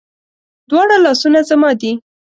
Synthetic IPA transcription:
d̪wɑɽalɑsunazamɑd̪i

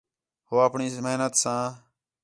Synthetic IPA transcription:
hoːəːpɳiːmɦnət̪sãː

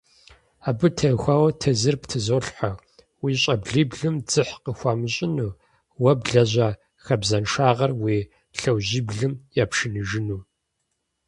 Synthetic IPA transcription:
aːbɨtʰɐxʷaːwɐtʰɐzɨrptʰɨzoːɬħʷa | wiːɕʼɐbɮiːbɮɨmd͡zɨħqəxʷaːmɨɕʼɪnuː | wɐbɮɐʑʷaː | xɐbzɐnʂaːʁɐrwiː | ɬɐwʑiːbɮɨmjaːpʂɨnɨʒɨnuː

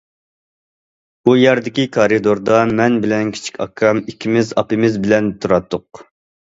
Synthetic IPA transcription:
bujɛɾd̪ɪkʲikʰɑɾid̪oɾd̪ɑmɛnbɪlɛnkʲʰi̥t͡ʃʰi̥kʲʰɑ̰kʰɑmikʲʰːimɪzɑ̰pɨmɪzbɪlɛnt̪ʰuɾɑt̪ʰːʊq̚

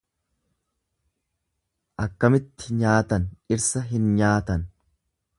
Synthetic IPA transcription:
ʔɐkːɐmɪt̪ːɪɲaːt̪ɐnɪɾsɐɦɪnɲaːt̪ɐn

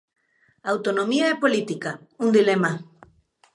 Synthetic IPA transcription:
awt̪onõmiaɛpolit̪ikaund̪ilema

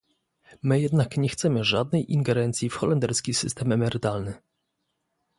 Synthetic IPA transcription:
mɘjɛd̪nakɲɛxt̪sɛmɘʐad̪̚nɛjʔiŋɡɛɾɛnt̪sʲjifxɔlɛnd̪ɛɾskʲisɘ̰st̪ɛmɛmɛɾɘt̪alnɘ

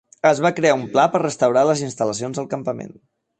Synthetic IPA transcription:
əzβ̞akɾeaumplapərrəst̪əwɾaləzinst̪ələs̬ionzəlˠkəmpəmḛn

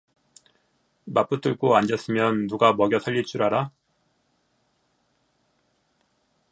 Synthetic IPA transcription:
map͈ɯt͈ɯɭk͈oand͡ʑʌs͈ɯmjʌnːuɡamʌɡjʌsʰaʎːit͡ɕ͈uɾaɾa

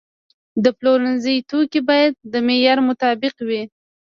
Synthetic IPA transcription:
d̪əploɾanzəjt̪okibɑjad̪̚ːəmejɑɾmʊt̪ɑbɪqwi

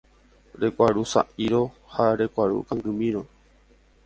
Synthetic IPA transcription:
ɾe̞kʷaɾusa̰ʔiɾo | haɾe̞kʷaɾṵkãŋɡɨmĩɾo

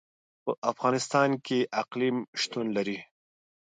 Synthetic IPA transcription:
pəʔafɣɑnɪst̪ɑnkeʔaqlimʃt̪unlaɾi

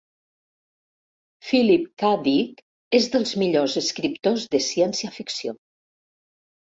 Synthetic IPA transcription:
filip̚kaðik | ezðəlˠzmiʎozəskɾipt̪ozðəsiɛnsiəfiksio

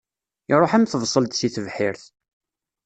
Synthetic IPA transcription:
ɪɾˤoħæmθəvsˤəlt̪siθəvħɪɾθ

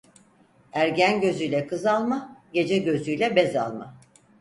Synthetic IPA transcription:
æɾɟænɟø̞zyjlʲɛkʰɯzalˠmaɟe̞d͡ʒɛɟø̞zyjlʲɛbɛza̰lˠma̰

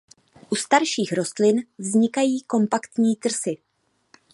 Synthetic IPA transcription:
ʔust̪aɾʃiːxɾo̞st̪lɪnvzɲɪkajiːko̞mpakt̪ɲiːt̪r̩sɪ

